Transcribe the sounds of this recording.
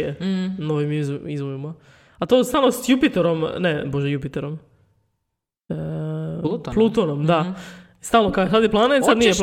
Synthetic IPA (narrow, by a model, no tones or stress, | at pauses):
eno̞ʋimzizʋoʋima | at̪ost̪aːlˠnosjupit̪eɾo̞mneboʒɛjupit̪eɾom | plˠut̪onomd̪a | st̪aːlˠnokaksad̪iplˠanet̪sad̪nijep